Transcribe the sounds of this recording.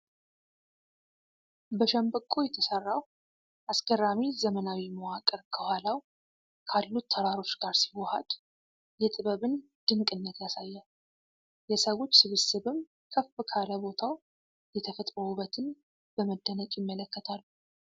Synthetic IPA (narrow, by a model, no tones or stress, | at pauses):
bəʃəmbəkʼːojɛt̪ʰəsərːaw | ʔaskərːamizəmənawiməwakʼəɾkʰəhalaw | kʰalːut̪ʰːəɾaɾo̞t͡ʃːɡaɾsiwɔha̰d̪̥ | jɛt̪ʼɨβəβɨn | d̪̥ɨŋkʼɨnːət̪jasajːa | jɛsəwo̞t͡ʃːsɨβɨsɨβɨm | kʰəfɨkʰaləbo̞t̪ʰaw | jɛt̪ʰəfət̪ʼɾəuβət̪ʰɨn | b̥əməd̪ːənət͡ʃʼjɪmːələkːət̪ʰalːu